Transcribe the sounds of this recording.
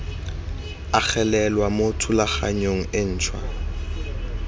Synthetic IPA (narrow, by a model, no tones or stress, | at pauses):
ak͡xʰɛlɛlwamotʰʊlaχa̰ɲoŋ̩ɪn̩ːt͡ʃʰwa̰